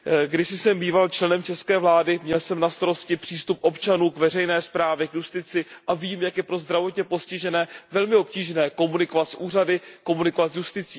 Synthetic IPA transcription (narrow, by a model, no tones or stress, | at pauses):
ɡdɪsɪsɛmbiːvalt͡ʃlɛnɛmt͡ʃɛskɛːvlaːdɪmɲɛlsɛmnast̪aɾo̞scɪpr̥iːst̪upʔo̞pt͡ʃanuːkvɛr̝ɛjnɛːspɾaːvjɛkjust̪ɪt͡sɪʔaviːmjakjɛpɾo̞zd̪ɾavo̞t̪ɲɛpo̞scɪʒɛnɛːvɛlmɪo̞p̚ciːʒnɛːko̞munɪko̞vat̪sʔuːr̝adɪko̞munɪko̞vat̪sjust̪ɪt͡siː